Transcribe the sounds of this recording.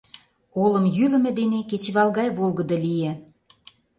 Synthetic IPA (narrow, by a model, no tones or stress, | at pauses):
olə̆mjylə̆mĕd̪eneket͡ɕβɑlˠɣɑjβolˠɣə̆d̪ɤ̆lije